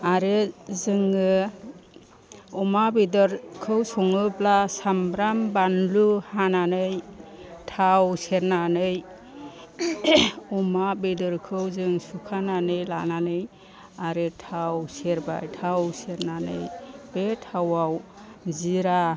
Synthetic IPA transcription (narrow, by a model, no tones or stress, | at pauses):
aɾezɯŋɯ | ɔmabidɔɾkʰɯwsɔŋɯblasamɾambanluhananɯjtʰawseɾnanɯj | ɔmabedɯɾkʰɯwzɯŋsukʰananɯjla̰nanɯj | aɾɯtʰawseɾba̰jtʰawseɾnanɯ̰jbetʰawawziɾa